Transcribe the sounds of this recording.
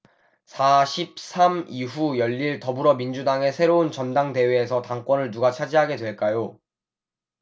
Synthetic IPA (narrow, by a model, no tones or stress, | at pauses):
sʰaɕʰip̚sʰamiɦujʌʎːiɭtʌbuɾʌmind͡ʑudaŋe̞sʰe̞ɾount͡ɕʌndaŋde̞we̞ːsʰʌtaŋk͈wʌnɯɭnuɡat͡ɕʰad͡ʑiɦaɡe̞dwe̞ɭk͈ajo